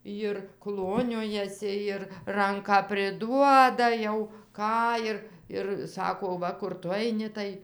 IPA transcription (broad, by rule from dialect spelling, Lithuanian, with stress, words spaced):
jɪr ˈklˠoːnʲoːjɛsʲɪ ɪr ˈrɐŋkɑː pʲrʲɪˈduɔdɐ jɛʊ ˈkɑː ɪr ɪr ˈsɑːkoː ˈʋɐ kʊr ˈtʊ ɐɪˈnʲɪ tɐɪ